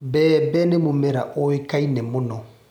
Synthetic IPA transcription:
bɛːbɛnemũmɛɾa̰ʔoekainɛmɔnɔ

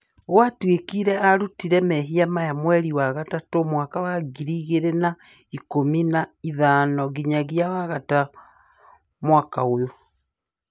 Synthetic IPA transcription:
ɣowatwekiɾɛaɾutiɾɛmɛɦiamajamwɛɾiwaɣatatomwaːkawaɡiɾiɣeɾena | ikominaiðaːnɔɣiɲaɣiawaɣata | mwakaojo

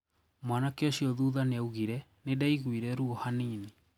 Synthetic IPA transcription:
mwanakeoɕiɔðuːðaneauɣiɾɛnedaiɣwiɾɛɾuɔhaniːni

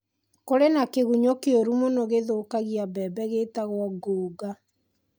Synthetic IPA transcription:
koɾenakeɣuɲokeoɾumonoɣeðokaɣiabɛbɛɣetaɣwɔɡoːɡa

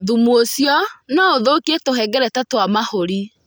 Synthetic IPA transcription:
ðumwosjɔnaoðokietohɛɡɛɾɛtɛtwamahoɾi

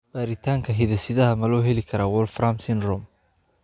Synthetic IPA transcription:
b̥aːɾɪt̪ʰaːŋkʰɐɦɪðɐsɪðɐɦɐmɐlɔːɦɛlɪkʰɐɾawɔlfɾamsɪnrɔm

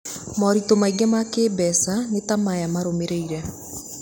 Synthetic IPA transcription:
mɔɾitomaiɡɛmakeːbɛsanetamajamaɾomeɾeiɾɛ

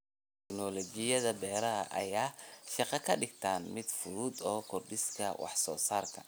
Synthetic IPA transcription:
t̪ʰɛknɔlɔt͡ʃɪjɐðɐbɛːɾɐɐ̰ʔɐ̰jaːʃɑqɑkʰɐɖɪɡ̚t̪ʰaːnmɪd̪fʊɾuːd̪ɔːkʰɔrɖɪskʰɐwɑ̰ħsɔːsaːrkʰɐ

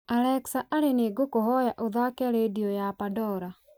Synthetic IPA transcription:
alɛksaʔaɾeneːɡokoɦɔjaʔoðakɛɾediɔjapadɔɾa

